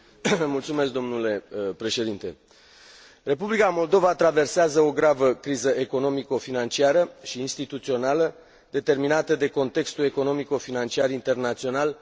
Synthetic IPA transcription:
mult̪sumesk̚d̪omnule̞pɾe̞ʃe̞d̪int̪e̞̰ | re̞publikamo̞ld̪o̞vat̪ɾave̞rseazəo̞ɡɾavəkɾizəʔe̞ko̞no̞miko̞finant͡ʃiaɾəʃiːnst̪it̪ut̪sio̞nalə | d̪e̞t̪e̞rminat̪əd̪e̞ko̞nt̪e̞kst̪ule̞ko̞no̞miko̞finant͡ʃiarint̪e̞rnat̪sio̞nal

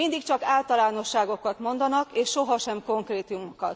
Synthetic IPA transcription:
ind̪ikt͡ʃɒkaːlt̪ɒlaːno̞ʃːaːɡo̞kɒt̪mo̞nd̪ɒnɒkeːʃːo̞ɦɒʃɛmko̞ŋkreːt̪umokɒt̪

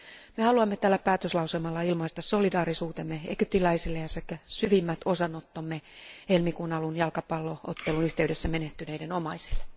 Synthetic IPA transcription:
mehɑluɑmːet̪ælːæpæːt̪øslɑuselmɑlːɑilmɑist̪ɑssolidɑːrisuːt̪emːeḛkyp̚t̪ilæisilːejɑsekːæsyʋimːæt̪osɑnot̪ːomːehelmikuːnɑlunjɑlkɑpɑlːoo̰t̪ːelunyht̪eydesːæmeneht̪ːyneidenomɑisi̥lːe̥

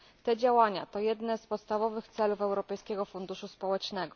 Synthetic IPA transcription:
t̪ɛd͡ʑawaɲa̰t̪ɔjɛd̪nɛspɔt̪st̪avɔvɘxt̪sɛlufɛwɾɔpɛjskʲɛɡɔfund̪uʂuspɔwɛt͡ʂnɛɡɔ

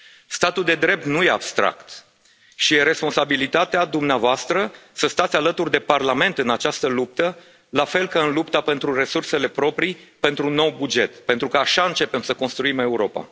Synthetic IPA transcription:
st̪at̪uld̪e̞d̪ɾe̞p̚t̪nuje̞a̰b̥st̪ɾa̰kt̪ | ʃijeɾe̞spo̞nsabilit̪at̪ead̪umneavoast̪ɾəsəst̪at̪sʲalət̪urʲd̪e̞parlame̞nt̪ɨnat͡ʃast̪əlup̚t̪ə | lafe̞lkaɨnlupt̪ape̞nt̪ɾure̞surse̞le̞pɾo̞pɾipe̞nt̪ɾuno̞wbud͡ʒe̞t̪pe̞nt̪ɾukəaʃaɨnt͡ʃe̞pe̞msəko̞nst̪ɾuime̞uɾo̞pa̰

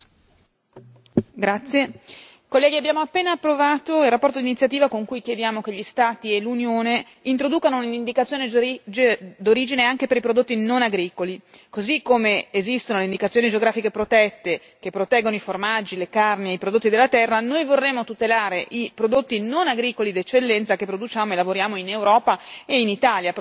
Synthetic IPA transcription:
ɡɾat̪sːje | kolːɛːɡiabːjaːmoapːeːnaːpːɾovaːt̪oilrapːɔrt̪od̪init̪sjat̪iːvakoŋkujkjed̪jaːmokeʎːist̪aːt̪ielunjoːne | int̪ɾod̪uːkanounind̪ikat̪sjoːned͡ʒd̪oɾiːd͡ʒineaŋkepeɾipɾod̪ot̪ːinonaɡɾiːkoli | kozikːomeːzist̪onoleind̪ikat̪sjonid͡ʒeoɡɾaːfikepɾot̪ɛt̪ːe | k̟epːɾot̪ɛɡːonoiformad͡ʒilekarnieijpɾod̪ot̪ːid̪elːat̪ɛrːanojvorːemːot̪ut̪elaːɾeʔipɾod̪ot̪ːinonaɡɾiːkolid̪et͡ʃːelːɛnt̪sakepːɾod̪ut͡ʃaːmoelavoɾjaːmoinewɾɔːpaeinit̪aːlja

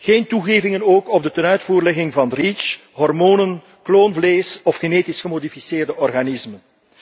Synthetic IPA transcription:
ɣeːntuɣeːvɪŋənoːkɔb̚dətənœɥtfuːrlɛɣɪŋvɑnrit͡ʃ | ɦɔrmoːnən | kloːnvleːsɔfxeneːtɪsxəmodifiseːrdəʔɔrɣanɪsmən

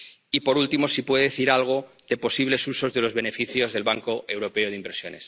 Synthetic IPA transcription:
ipo̞ɾult̪imo̞sipwe̞ðeeθiɾalɣ̞o̞ | ðe̞po̞siβle̞suso̞zðe̞lo̞zβe̞ne̞fiθjo̞zðe̞lβaŋko̞ʔewɾo̞pe̞oðimbeɾsjo̞̰ne̞s

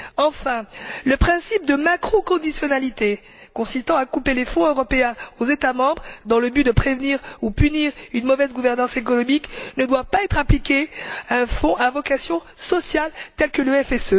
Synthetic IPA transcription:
ɑ̃fɛ̃ləpχɛ̃sip̚d̪əmakχɔkɔ̃d̪isjɔnalit̪e | kɔ̃sist̪ɑ̃akupelefɔ̃øʁɔpeɛ̃ozet̪amɑ̃bʁd̪ɑ̃ləbyd̪əpχevniʁupyniʁynmɔvɛzɡuvɛʁnɑ̃sekɔnɔmiknəd̪wapaɛt̪χaplikʲeaɛ̃fɔ̃ʔavɔkasjɔ̃ | sɔsjalt̪ɛlkələɛfɛsø

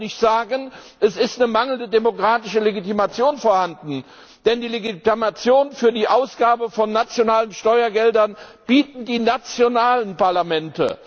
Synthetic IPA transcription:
nɪçtz̥aːɡən | ʔɛsɪstnəmaŋəl̩ndədemokʁ̥aːtɪʃəleɡitimat͡sjoːnfoːɐhandn̩ | d̥ɛndiːleɡitimat͡sjoːnfyːɐdiːʔaʊsɡ̥aːbəfɔnːat͡sjonaːlənʃtɔʏɐɡɛldɐnb̥iːtn̩diːnat͡sjonaːlənpaɐlamɛntə̰

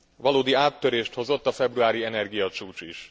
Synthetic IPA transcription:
vɒloːd̪iaːt̪ːøɾeːʃt̪ho̞zo̞t̪ːɒfɛbruaːɾiɛnɛrɡijɒt͡ʃuːt͡ʃiʃ

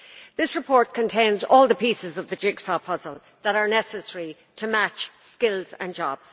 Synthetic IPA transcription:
ðɪsɹɨpʰɔɹt̚kʰə̃ntʰẽɪ̃nzɔːlˠðəpisɪzʌvðəd͡ʒɪɡsɑpʰʌzəlˠ | ðəɾə˞nɛsəsɛɹi | tʰəmat͡ʃskɪlzə̰̃nd͡ʒɑ̰b̥z̥

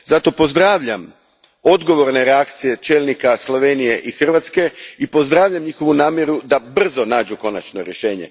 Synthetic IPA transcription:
zat̪o̞po̞zd̪ɾaːʋʎam | o̞d̪ɡo̞ʋo̞ɾne̞ɾeak̚t̪sije̞t͡ʃe̞ːlˠnikaslˠo̞ʋenije̞ʔixr̩ʋat̪ske̞ipo̞zd̪ɾaːʋʎʲamɲixo̞ʋunaːmjeɾud̪abr̩zo̞naːd͡ʒuko̞na̰t͡ʃnoɾjeʃe̞ːɲe̞̰

